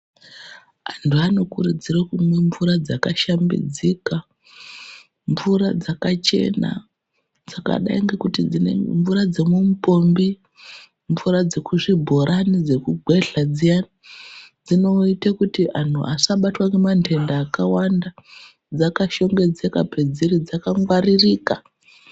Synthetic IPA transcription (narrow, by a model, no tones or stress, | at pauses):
antʰuano̞kuɾud͡ziɾakumweɱvuɾad͡zakaʃambḭd͡zika | ɱvuɾad͡zakat͡ʃe̞̰na̰ | d͡zaka̰ɗa̰iŋɡe̞kutid͡zinḛmɱvuɾad͡ze̞mumupo̞mbi | ɱvuɾad͡zekuʐibʱo̞ɾʔanid͡ze̞kuɡʱwe̞ɬad͡zijanad͡zino̞itakutiʔan̤uʔasaɓatwaŋɡemantʰe̞ndaːkawanda | d͡zakaʃo̞ŋɡe̞d͡ze̞kape̞d͡ziɾid͡zakaŋɡwaririːka